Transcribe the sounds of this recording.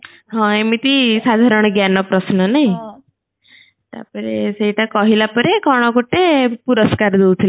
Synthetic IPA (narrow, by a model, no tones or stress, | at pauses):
ɦɔ̃emit̪isad̪ʱaɾɔɽ̃ɡjanɔpɾɔsnɔnaj | t̪a̰pəɾeseiʈakɔɦilapɔɾekɔɽ̃ɔkoʈːepuɾəskaɾd̪ewt̪ʰil